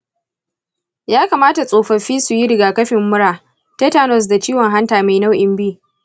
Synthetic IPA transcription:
jaː˦kaː˨maː˦ta˨sʼoː˨ɸɐ˨ɸiː˦su˨ji˦ɽɪ˨ɡaː˨kɐ˦ɸɪ˨mːʊ˦ɽaː˨ | tɐ˦taː˦nɔ˨s̬da˨t͡ʃiː˦wɔ˨ŋɦa˦ntaː˨ma˨jna˦wʔɪ˨mbiː˦

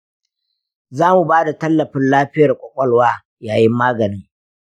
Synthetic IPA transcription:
zaː˦mu˨baː˦da˨tɐ˦lːɐ˨ɸɪ˦nlaː˦ɸɪ˦jɐ˨rkʷʼɔ˨kʷʼɔ˦lwaː˦ | jaː˨jɪ˦mːaː˦ɡɐ˨nɪ˦ŋ

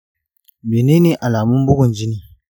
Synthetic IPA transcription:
beː˨neː˦neː˨ʔa˨laː˨mʊ˦mbʊ˦ɡʷʊ˨nd͡ʒɪ˦niː˦

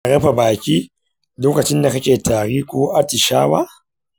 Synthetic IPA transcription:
ʔa˨ɽɐ˦ɸa˨baː˨kʲiː˦ | loː˦kɐ˨t͡ʃɪ˦nda˨kɐ˦kʲeː˨tʰaː˨ɽi˦kʷoː˦ʔa˦tɪ˨ʃa̰ː˦wa̰ː˦

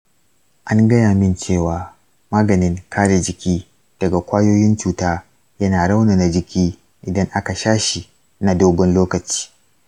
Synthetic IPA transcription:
ʔa˦ŋɡɐ˦jaː˨mɪ˦nt͡ʃeː˦˨waː˨ | maː˦ɡɐ˨nɪ˦ŋkʰaː˦ɽe˨d͡ʒɪ˨kʲiː˦ | d̥ɐ˨ɡa˨kʷaː˦joː˦jɪ˦nt͡ʃuː˨taː˦ | jɐ˦naː˨ɽa˦wna˨na˨d͡ʒɪ˨kʲiː˦ | ʔɪ˨dɐ˦ŋʔa˦ka˨ʃaː˦ʃi˨ | na˨doː˦ɡɔ˦nloː˦kɐ˨t͡ʃi̥ː˦

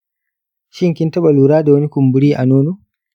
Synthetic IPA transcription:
ʃi˦ŋki˦nta˦ɓa˨luː˨ɾaː˦da˨wɐ˦ni˦ku˨mbu˨ɾiː˦ʔa˨noː˦nu˦

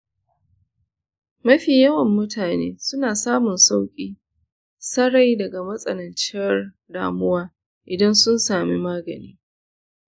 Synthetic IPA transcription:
mɐ˦ɸiː˨jɐ˦wɐ˨mːʊ˦taː˨nḛː˦sʊ˦naː˨saː˦mʊ˨nsa˦wkʲʼiː˦ | sɐ˦ɾa˦jdɐ˨ɡa˨mɐ˦sʼɐ̰˨nɐ˨nt͡ʃɪ˦jɐ˦r | da̰ː˨mʊ˦waː˦ | ʔɪ˨dɐ˦nsʊ˦nsaː˨mi˦maː˦ɡɐ̰˨nḭː˦

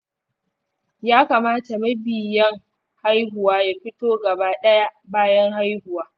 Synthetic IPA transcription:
jaː˦kaː˨maː˦ta˨mɐ˦bɪ˨jɐ˦ŋ | ha˦jɦʊ˨waː˦ja˦ɸɪ˦toː˦ɡɐ˨baː˦ɗɐ˦ja˦baː˦jɐ˦ŋha˦jhʊ˨waː˦

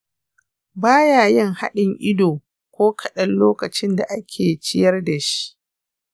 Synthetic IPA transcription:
baː˦jaː˨jɪ˦ŋha˦ɗɪ˨ŋʔɪ˦doː˨ | kʷoː˦kʰɐ˨ɗɐ˦lloː˦kɐ˨t͡ʃɪ˦nda˨ʔa˦kʲʰeː˨t͡ʃɪ˦jɐ˦rda˨ʃi̥˦ʔ

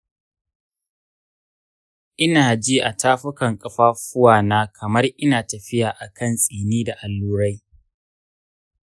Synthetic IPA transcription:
ʔɪ˦naː˨d͡ʒiː˦ʔa˨taː˦ɸʊ˦kɐ˨ŋkʼɐ˦ɸaː˦ɸʊ˦waː˨naː˦kʰɐ˨mɐ˦rʔɪ˦naː˨tɐ˨ɸɪ˦jaː˨ʔa˨kʰɐ˦nsʼiː˨niː˦da˨ʔa˨lːuː˦ɾa˦j

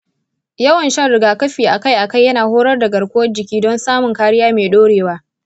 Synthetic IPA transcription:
jɐ˦wɐ˨nʃɐ˦nɽɪ˨˦ɡaː˨kɐ˦ɸiː˨ʔa˨ka˦jʔa˨ka˦˨jːɐ˦naː˨hoː˦ɽɐ˦rda˨ɡɐ˨ɽkʷoː˦ɐ˦d͡ʒɪ˨kʲiː˦dɔ˦nsaː˦mʊ˨ŋkaː˦ɽɪ˦jaː˦meː˨ɗoː˦ɽeː˨waː˦

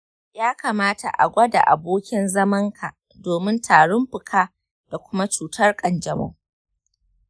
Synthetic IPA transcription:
jaː˦kaː˨maː˦tʰa̰˨ʔa̰˨ɡʷɐ˦da̰˨ʔa̰˨boː˦kʲɪ˦nzɐ˦mɐ˦ŋkʰa˨ | doː˨mɪ˦ntʰaː˨ɽʊ˦mɸɪ˨kʰaː˦ | d̥a˨kʷʊ˦ma˦t͡ʃuː˨tɐ˦rkʼɐ˨nd͡ʒɐ˨mɐ̰˦ŋ

